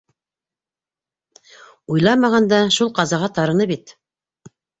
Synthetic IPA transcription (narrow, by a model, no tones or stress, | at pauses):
ujlˠɑmɑʁɑnd̪ɑʃulˠqɑzɑʁɑt̪ɑɾɤ̆nɤbit̪